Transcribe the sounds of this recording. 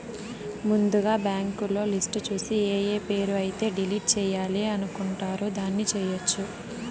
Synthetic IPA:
mund̪uɡaːbaːŋkulo̞ːlisʈt͡ʃuːsieːjeːpe̞ːɾuɐjit̪e̞ːɖiliːʈ̚t͡ʃɛːjaːliɐnukuɳʈaːɾoːd̪aːnːit͡ʃɛːjɐt͡ʃːu

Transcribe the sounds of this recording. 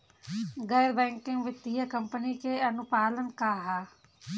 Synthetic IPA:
ɡɐɾbɛ̃ːŋkɪ̃ŋɡʋɪt̪iːakɐmpənikeːɐnʊpaːlənkaːɦaː

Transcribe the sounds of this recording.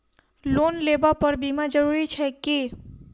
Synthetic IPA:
lonlebapəɾbimad͡ʒəɾuɾit͡ʃʰɛki

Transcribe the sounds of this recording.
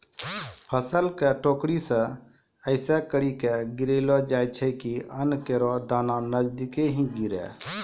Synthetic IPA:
pʰəsəlkɛʈoːkɾisə̃ | əɪsɛkəɾikɛɡɪɾelɔd͡ʒaːjt͡ʃʰɛikiənkeɾɔd̪aːnanəd͡ʒd̪ikeɦĩɡiɾɛ̰

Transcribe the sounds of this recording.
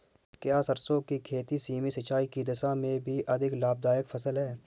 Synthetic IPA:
kjaːsəɾsõkikʰeːt̪isiːmisɪt͡ʃaːikid̪ɪʃamẽbʱiʔɐd̪ʱɪklaːb̚d̪aːjəkfʰɐsəlɦɛː

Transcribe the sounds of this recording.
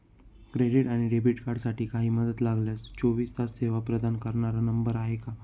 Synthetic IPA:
kɾeɖiʈaɽ̃iɖebiʈkaɾɖsaʈiːkaɦiːməd̪ət̪laɡljast͡ɕoʋiːst̪asseʋapɾəd̪ankəɾɳaɾanəmbəɾaɦeka

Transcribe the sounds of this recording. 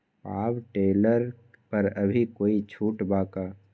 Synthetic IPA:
paːbʈeːləɾ | pɐɾɐbʱikoːit͡ʃʰuːʈbaːkaː

